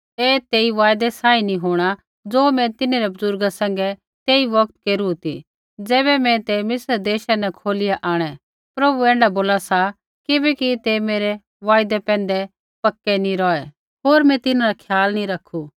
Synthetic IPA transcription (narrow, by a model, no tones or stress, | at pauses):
ɛːt̪eːiʋaːjd̪ɛsaːinĩɦoːɽ̃a | d͡zoːmɛ̃t̪ɪneɾɛbʊzʊɾɡasɛ̃ŋɡɛ | t̪eːiʋɐk̚t̪keːɾut̪ḭ | d͡zɛːbɛmɛ̃t̪emɪsəɾd̪eːʃanɛkʰoːlɪjaʔaːɽ̃ɛ | pɾɐbuɛ̃ːɳɖaboːlasa | kɪbɛkit̪emeːɾɛ | ʋaːjd̪ɛpɛ̃ːn̆d̪ɛ | pɐkːɛnĩɾɔːɛ | ɦoːɾmɛ̃t̪ɪnãɾakʰjaːlnĩɾɐkʰːu